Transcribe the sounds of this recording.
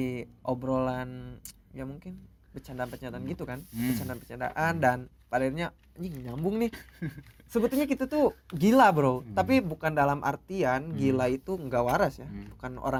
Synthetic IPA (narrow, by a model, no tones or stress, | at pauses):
ʔobɾolanjamuŋkɪn | bət͡ʃandaːnpət͡ʃaat̪aanɡit̪ukanbət͡ʃandanpə̥t͡ʃanda̰ʔandan | padairɲa | ɲiŋəɲambʊŋnɪh | səbət̪ulɲakit̪at̪uɡilabɾowt̪apibukandalamʔa̰rt̪ianɡilait̪uŋɡawaɾasjabukano̰ɾa